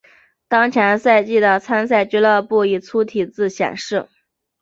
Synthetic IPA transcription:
t̪ɑ˥ŋt͡ɕʰjɛ˧˥nsa˥˧ɪt͡ɕi˥˩d̪ə˨˩t͡sʰa˥ns̬a˥˩ɪt͡ɕy˥lə˥˧pu˥˩i˨˩t͡sʰu˥t̪ʰi˨˩t͡sɹ̩˥˩ɕjɛ̰˨˩nʂɻ̩˥˩

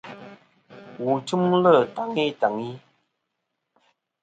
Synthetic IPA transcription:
wu˨t͡ʃu˦mlə˦˨ta˨ŋi˦ta˨ŋi˦

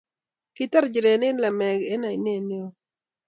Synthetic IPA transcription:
ki˦ta˦ɾd͡ʒi˨ɾe˨nɪ˦nla˨mɛ˨ɡe˦na˨i˨ne˦˨n˦o˦

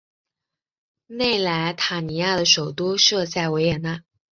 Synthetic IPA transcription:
ne˥˩ɪla˧˥ɪt̪ʰa˨˩ni˧˥ja˥˩d̪ə˩ʂo˨˩ʊt̪u˥ʂɤ˥˧t͡sa˥˩ɪwe˧˥ɪjɛ˨˩na˥˩

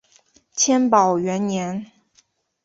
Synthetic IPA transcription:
t͡ɕʰjɛ˥npɑ˨˩ʊɥɛ˧˥nnjɛ˧˥n

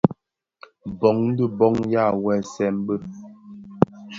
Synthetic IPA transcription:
bɔ˨˦ŋn̩˦də˦bɔ˦ŋja˦˨wɛ˨sɛ˨˦m˦bə˦˨

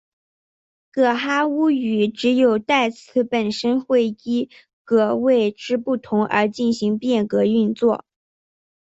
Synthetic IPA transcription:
kɤ˨˩xa˥u˥y˨˩ʈ͡ʂɻ̩˧˥jo˨˩ʊt̪a˥˩ɪt͡sʰɹ̩˥˩pə˨˩nʂə˥nxwe˥˩ɪi˥ | kɤ˧˩we˥˩ɪʈ͡ʂɻ̩˥pu˥˩t̪ʰʊ˧˥ŋʔə̰˞˧˥t͡ɕi˥˩nɕi˧˥ŋpjɛ˥˩nkɤ˧˥y˥˧nt͡swɔ˥˩

